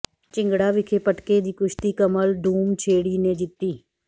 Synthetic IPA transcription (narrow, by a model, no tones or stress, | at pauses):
t͡ʃɪ̃ŋɡɽaːʋɪkʰeːpəʈkeːd͡ʒiːkʊʃt̪iːkəməlɖ̪ʱuːmt͡ʃʰeːɽiːnẽːd͡ʒɪt̪ːiː